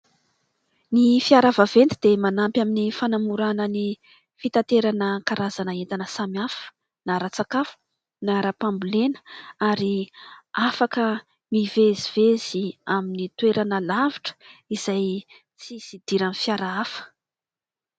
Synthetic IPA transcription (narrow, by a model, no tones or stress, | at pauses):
nifiaɾavavend̪id̪̥emanampjaminifanamuɾanəni | fit̪at̪eɾanəkaɾazanaent̪anəsamiafə̥ | naɾat͡sakafu̥ | naɾapambulenə̥aɾiafakə | miveziv̥ez̥iaminit̪weɾanəlaviʈ͡ʂə̥iz̥aj | t͡sizid̪̥iɾanifjaɾaafə̥